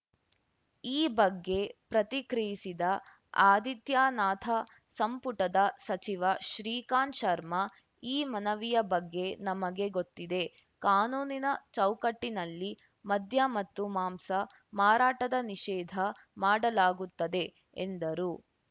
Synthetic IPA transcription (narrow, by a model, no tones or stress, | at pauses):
iːbɐɡːe̞pɾɐt̪ikɾijisid̪ɐ | aːd̪it̪jaːnaːt̪ʰɐ | sɐmpuʈɐd̪ɐsɐt͡ʃiʋɐʃɾiːkaːnʃɐɾmɐ | iːmɐnɐʋijɐbɐɡːe̞nɐmɐɡe̞ɡo̞t̪ːid̪e̞ | kaːnuːninɐt͡ʃɐwkɐʈːinɐlːi | mɐd̪ʱjɐmɐt̪ːumaːmsɐ | maːɾaːʈɐd̪ɐniʃɛːd̪ʱɐ | maːɽɐlaːɡut̪ːɐd̪e̞ | end̪ɐɾu